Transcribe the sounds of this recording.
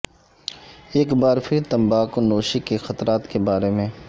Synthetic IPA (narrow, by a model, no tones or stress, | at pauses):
eːkbaːɾpʰɪɾt̪ɐ̃mbaːkonoːʃikexɐt̪ɾaːt̪kebaːɾemẽː